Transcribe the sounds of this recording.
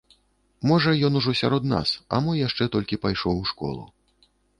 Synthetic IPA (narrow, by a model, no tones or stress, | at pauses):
mɔʐɐjɔn̪uʐɔsʲa̰ɾɔd̪na̰sɐ̰mɔjaʂt͡ʂɛt̪ɔlʲkʲipajʂɔwʂkɔ̰lˠṵ